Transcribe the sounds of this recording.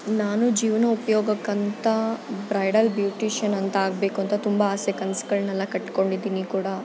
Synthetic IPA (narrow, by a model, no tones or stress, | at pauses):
naːnud͡ʒiːʋnɐupɐjoːɡɐkːɐnt̪ɐbɾɐjɽɐlbjuːʈiːʃɐnɐnt̪ɐaːɡ̚be̞ːkuɐnt̪ɐt̪umbɐaːsɛkɐnsɡɐɭnɐlːɐkɐʈːko̞ɳɖid̪iːnikuːɽɐ